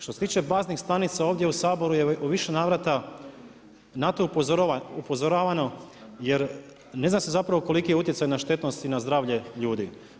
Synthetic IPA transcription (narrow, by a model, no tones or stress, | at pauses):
ʃt̪oset̪iːt͡ʃepaːznixst̪anit̪sao̞ːʋd̪jeusaːbo̞ɾujeʔuʋiʃenaːʋɾat̪a | nat̪oupupo̞zoɾaːʋano̞jeɾ | ne̞znamse̞zapɾaʋoko̞likijeut̪jesajnaʃt̪e̞t̪no̞st̪inazd̪ɾaːʋʎe̞ʎuːd̪i